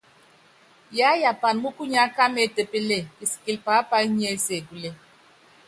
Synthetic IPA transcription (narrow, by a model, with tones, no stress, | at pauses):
ja˨˦ja˨pa˨n˨mu˦ku˦ɲ˦a˨˦ka˦me˨te˨pe˦le˦˨i˨si̥˨ki˨lpa˨˦pa˦i˦ɲ˦e˦˨se˨ɡu˨le˨